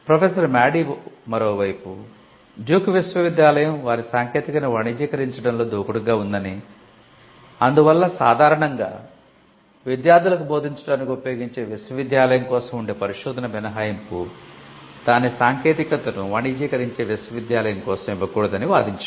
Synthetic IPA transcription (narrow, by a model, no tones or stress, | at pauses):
pɾɐpʰeːsɐɾmaːɽimɐɾoːʋɐjpṵ | d͡ʒuːkʋisʋɐʋid̪jaːlɐjɐmʋaːɾisaːŋkeːt̪ikɐnuʋɐɳiːd͡ʒiːkɐɾiɲt͡ʃɐɽɐnlo̞ːd̪oːkuɽuɡaːund̪ɐni | ɐnd̪uʋɐlːɐsa̰ːd̪ʱaːɾɐɳɐŋɡa̰ː | ʋid̪jaːɾd̪ulɐkubo̞ːd̪ʱiɲt͡ʃɐɽaːnikʲupɐjo̞ːɡiɲt͡ʃe̞ːʋisʋɐʋid̪jaːlɐjɐmkɔːsɐmuɳɖe̞ːpɐɾiʂuːd̪ɐnɐʋinɐɦaːjɐmpu | d̪aːnisaːŋke̞ːt̪ikɐt̪ːɐnuʋɐɳid͡ʒiːkɐɾiɲt͡ʃe̞ːʋisʋɐʋid̪jaːlɐjɐmkɔːsɐmiʋːɐkuːɽɐd̪ɐniʋa̰ːd̪iɲt͡ʃɐ